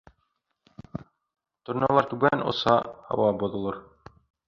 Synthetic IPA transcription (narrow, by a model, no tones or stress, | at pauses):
t̪ŏɾnʲolˠɑɾt̪ʉɡænŏ̰sɑ̰hɑ̰wɑbŏðŏlˠɤɾ